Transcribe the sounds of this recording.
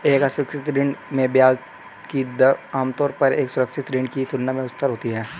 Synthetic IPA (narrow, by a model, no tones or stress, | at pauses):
eːkasɾəkʃɪt̪ɾɪɳmẽbjaːz | kid̪aːmt̪ɔːɾpɐɾeːksʊɾəkʃɪt̪ɾɪɳkisʊnːamẽʊst̪əɾɦoːt̪iɦɛː